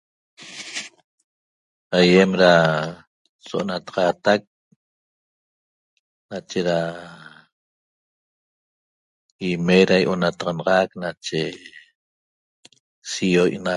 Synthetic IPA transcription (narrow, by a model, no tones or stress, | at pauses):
ajemɾa | soʔonat̪ɑ̥ʁɑt̪ak̚ | nat͡ʃeɾa | imeɾajʔonat̪ɑʁɑnɑʁɑknat͡ʃe | sijojʔna